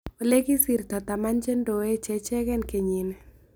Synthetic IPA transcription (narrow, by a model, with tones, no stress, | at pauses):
o˨le˦ɡi˦si˨ɾt̪ɔ˨t̪a˨ma˦nt͡ʃe˦ndo˨we˦t͡ʃɛ˦t͡ʃɛ˦kɛ˦nke˨ɲi˨nɛ˨